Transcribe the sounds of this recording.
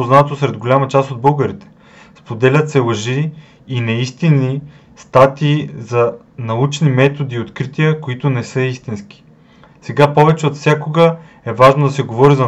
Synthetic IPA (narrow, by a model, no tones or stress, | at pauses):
oznat̪osɾɛd̪ɡolʲamɐt͡ʃast̪od̪̚bɤlˠɡəɾit̪ɛ̥ | spod̪ɛlʲət̪sɛlˠɐʒiː | nɛist̪inːi | st̪at̪iːzɐ | nɐut͡ʃnimɛt̪od̪iːot̪kɾit̪ijəkoit̪onɛsɤist̪inskʲi̥ | sɛɡapɔvɛt͡ʃɛot̪fsʲjakoɡə | ɛvaʒnod̪ɐsɛɡovɔɾizɐ